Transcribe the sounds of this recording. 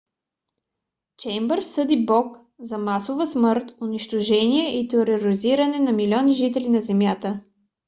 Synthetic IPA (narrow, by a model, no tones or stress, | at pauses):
t͡ʃɛjmbəɾsɤd̪ibɔk | zɐmasovəsmɤɾt̪oniʃt̪oʒɛniɛʔit̪ɛoɾɛoɾiziɾɐnɛnɐmilʲɔniʒit̪ɛlinɐzɛmjat̪ə